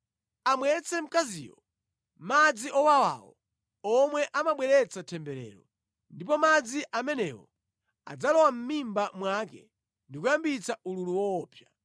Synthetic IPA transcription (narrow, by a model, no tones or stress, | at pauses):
amwɛt͡sɛm̩kazḭːwɔ | mad͡ziʔɔwawa̰wɔ̰ | ɔmwɛʔamaɓwɛɾɛt͡satʰɛmbɛɾɛ̰ːɾɔ | ndipɔmad͡ziʔamɛnɛwɔ̰ | a̰d͡zalɔwam̩mimbamwakɛ | ndikujambit͡saululuwɔːpʰja